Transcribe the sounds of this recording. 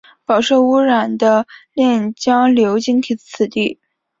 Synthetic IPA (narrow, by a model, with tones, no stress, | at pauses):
pɑ˨˩ʊʂo˥˩ʊu˥ɻa˨˩nd̪ə˦ljɛ˥˩nt͡ɕjɑ˥ŋljo˧˥ʊt͡ɕi˧˥ŋt̪ʰi˨˧˥t͡st͡sʰɹ̩˨˩t̪i˥˩